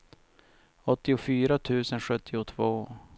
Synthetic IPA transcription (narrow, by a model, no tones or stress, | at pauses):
ɔt̪ːɪʊfyːɾat̪ʰʉ̟ːsənɧɵt̪ːɪʊt̪ʰvoː